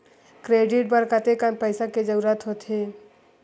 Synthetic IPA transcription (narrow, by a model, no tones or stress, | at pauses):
kɾeːɖɪʈ̚bɐɾkət̪ekanpəɪsaked͡ʒɐɾuːɾət̪ɦoːt̪ɦe